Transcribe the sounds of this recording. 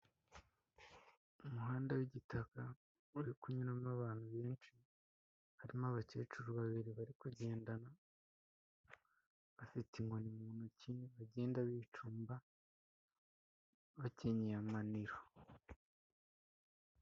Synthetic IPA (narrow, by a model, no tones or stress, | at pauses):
umuɦaːndawiɟitaka | uɾikuɲuɾamaβaːn̥huβeːnʃi | haɾimaβace̞ːt͡ʃuɾuβaβiɾiβaɾikuɟe̞ːndana | βafitiŋɡo̞nimuːnuciniβaɟe̞ːndaβiːt͡ʃuːmba | βaceɲejamaniɾo